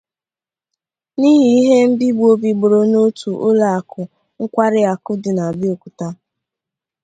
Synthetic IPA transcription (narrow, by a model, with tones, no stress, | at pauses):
ni˦ɦi˨i˦ɦe˦m̩˦bi˦ɡ͡bu˦o˦bi˨ɡ͡bo˨ɾo˨no˦tu˨ʔo˦la˨a˨kʊ˨ | ŋ̩˦kʷa˦ɾɪ˦a˨kʊ˦dɪ˨na˨bɪ˦o˨ku̥˨ta˦